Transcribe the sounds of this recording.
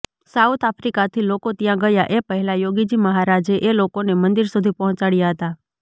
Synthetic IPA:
saut̪ʰapʰɾikat̪ʰilokot̪jãɡəjaʔepəɦɛlajoɡid͡ʒiməɦaɾad͡ʒeʔelokonemənd̪iɾsud̪ʱipɔɦɔ̃t͡ʃaɽjaɦət̪a

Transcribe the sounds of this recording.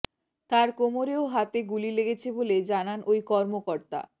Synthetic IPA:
t̪aɾkomoɾeoɦat̪eɡulileɡet͡ɕʰeboled͡ʑananojkɔɾmokoɾt̪a̰

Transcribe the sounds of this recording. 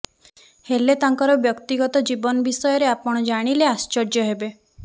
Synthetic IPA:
helet̪aŋkɔɾɔbjɔkt̪iɡɔt̪ɔd͡ʒibɔnɔbisɔjɔɾeapɔɽ̃ɔd͡ʒaɽ̃ileast͡ʃɔɾd͡ʒjɔɦebe

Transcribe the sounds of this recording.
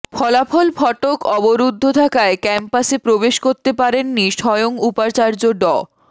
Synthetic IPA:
fʰɔlafʰɔlfʰɔʈokɔboɾud̪ʱːot̪ʰakaekɛmpasepɾobeʃkoɾt̪epaɾenːiʃɔjoŋupaɾt͡ɕaɾd͡ʑoɖɔ

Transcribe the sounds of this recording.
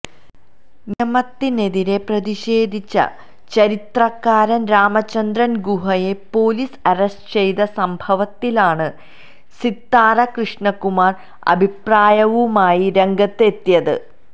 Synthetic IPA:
niɐmɐt̪ːineðiɾe̞prɐðiɕe̞ːd̪ʱit͡ɕːɐ̰ | t͡ɕɐɾit̪rɐkːaːɾɐnɾaːmɐt͡ɕːɐnd̪rɐnɡuɦɐje̞po̞ːlisɐresʈɨ̥t͡ɕejðɐsɐmbʱɐʋɐt̪ːilaːɳɨ | sit̪ːaːɾɐkrɨʂɳɐkːumaːr | ɐ̰bʱipraːjɐʋumaːjiɾe̞ŋɡɐt̪ːe̞t̪ːijɐðɨ̰

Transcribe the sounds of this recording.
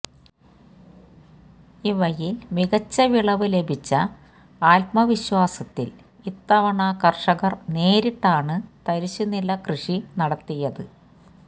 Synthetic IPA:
iʋɐjilmiɣɐt͡ɕːɐʋiɭɐʋɨle̞bʱit͡ɕːɐ | aːlpmɐʋiɕwaːsɐt̪ːḭl | it̪ːɐʋɐɳaːkɐrʂɐɣɐrne̞ːɾiʈːaːɳɨt̪ɐɾiɕːunːilːɐkrɨʂinɐɽɐt̪ːijɐðɨ

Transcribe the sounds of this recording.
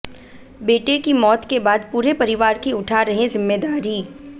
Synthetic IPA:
beːʈekimɔːt̪kebaːd̪̚puːɾepɐɾɪʋaːɾkiʊʈʰaɾɐɦẽzɪmːeːd̪aːɾiː

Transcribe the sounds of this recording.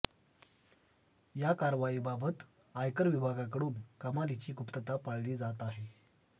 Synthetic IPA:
jakaɾʋaiːbabət̪ | ajkəɾʋibʱaɡak̬əɽuːnkəmalit͡ɕiːɡupt̪ət̪apaɽliːd͡zat̪aɦe

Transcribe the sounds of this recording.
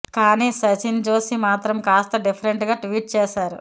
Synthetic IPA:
kaːniːsɐt͡ʃind͡ʒoːsimaːt̪ɾɐmkaːst̪ɐɖipʰɐɾeɳʈɡaːʈʋiːʈ̚t͡ʃɛːʃaːɾu

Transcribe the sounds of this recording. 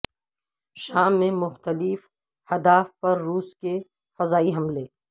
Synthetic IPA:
ʃaːmːẽmʊxt̪əlɪf | hɐd̪aːfpɐɾːuːske | fɐzaːiɦɐmleː

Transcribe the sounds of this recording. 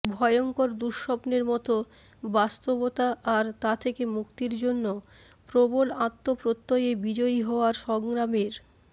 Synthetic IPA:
bʱɔjoŋkoɾd̪uɾʃɔpneɾmɔt̪o | bast̪obot̪aʔaɾt̪at̪ʰekemukt̪iɾd͡ʑonːo | pɾobolat̪ːopɾot̪ːojebid͡ʑɔjiɦɔoaɾʃɔŋɾameɾ

